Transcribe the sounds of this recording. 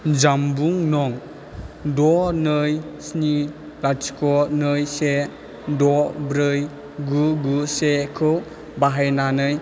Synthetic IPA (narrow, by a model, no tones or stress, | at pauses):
d͡ʒambuŋnɔŋ | dɔnɯjsni | lasi̥kɔnɯjse | dɔbɾɯj | ɡuɡusekʰɯw | baɦajnanɯj